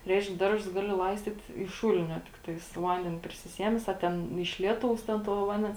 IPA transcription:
ˈrʲɛɪʃk ˈdɐrˌʒʊs ˈɡɑːˌlʲɪ ˈlˠɐɪsʲtʲiːt ɪʃ ˈʃuːlʲɪnʲoː tʲɪkˈtɐɪs toː ˈʋɐnʲdʲɛnʲeː pʲrʲɪsʲɪˈsʲiɛmʲɛs ɐ ˈtʲɛn ɪʃ ˈlʲiɛˌtɐʊs ˈtʲɛn toː ˈʋɐnʲdʲɛns

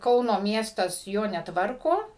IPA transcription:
ˈkɐʊnoː ˈmʲiɛstɐs ˈjoː nʲɛˈtʋɐrkoː

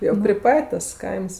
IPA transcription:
jɛʊ pʲrʲɪ ˈpɐtʲ tɐs ˈkɐɪms

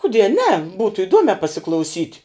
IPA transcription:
kʊˈdʲiɛ nʲɛ ˈbuːtʊ ɪˈduɔmʲɛː pɐsʲɪklˠɐʊˈsʲiːtʲ

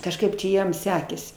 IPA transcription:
kɐʃˈkɐɪp t͡ʃʲɛ ˈjiɛm ˈsʲæːkʲeːsʲɪ

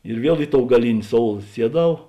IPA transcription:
ɪr ˈʋʲiɛlˠ ˈɪ ˌtoːʊ ɡɐˈlʲɪnʲɪ ˈsoːʊlˠ ˈsʲiɛˌdɐʊ

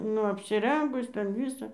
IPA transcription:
ˈnʊ ɐpʲsʲɪˈrʲɛŋɡʊs ˈtʲɛn ˈʋʲiːsɐ

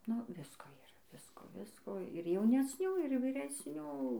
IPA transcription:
nʊ ˈʋʲɪskoː iːˈrɐ ˈʋʲɪskoː ˈʋʲɪskoː ɪr jɛʊnʲɛsʲˈnʲuː ɪr ʋʲiːrʲɛsʲˈnʲuː

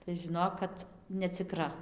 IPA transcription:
tɐɪ ʒʲɪˈnoːk kɐt nʲɛt͡sʲɪˈkrɐ

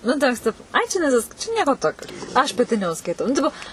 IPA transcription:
ˈnʊ tɐ ˈʋʲɪs ˈtʲɪpoː ɐɪ t͡ʃʲɛ nʲɛˈsʲɪsk t͡ʃʲɛ ˈnʲiɛkoː toːkʲoː ɐʃ pɐˈtʲɪ nʲɛʊʃskɐɪˈtɐʊ nʊ ˈtʲɪpoː

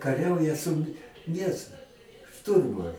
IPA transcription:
kɐˈrʲɛʊjɛ sʊ nʲɛs ˈʃtʊrmʊ

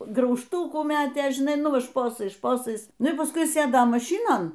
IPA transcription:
ɡrɐʊʃˈtuːkuː ˈmʲæːtʲeː ʒʲɪˈnɐɪ ˈnʊ ˈʋɐ ˈʃpoːsɐɪs ˈʃpoːsɐɪs ˈnʊ iː pɐsˈkʊɪ ˈsʲeːdoː mɐˈʃʲiːnoːn

